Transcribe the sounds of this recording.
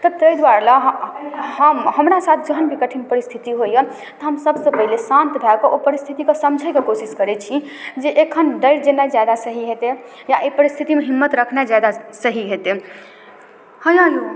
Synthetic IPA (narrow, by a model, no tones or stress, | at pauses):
t̪ət̪əjd̪waɾlaɦɦəmɦəmɾasat̪ʰd͡ʒəɦənbʱikəʈʰinpəɾist̪ʰit̪iɦojə | t̪ɔɦəmsəbsə̃pəɦilesãnt̪bʱɛkeʔopəɾist̪ʰit̪ikesəmd͡ʒʱajkekosiskəɾɛt͡ʃʰi | d͡ʒeʔekʰənɖəɾd͡ʒenːajd͡ʒad̪asəɦiɦet̪e | jaʔepəɾist̪ʰit̪imeɦimːət̪ɾəkʰnajd͡ʒad̪asəɦiɦet̪e | hə̃jãju